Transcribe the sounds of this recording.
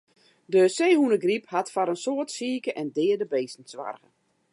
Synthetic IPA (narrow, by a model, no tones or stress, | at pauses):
dəseːhunəɡriphatfaɾənsoətsiːkəʔɛndɪːədəbeːsn̩sʋa̰rɣə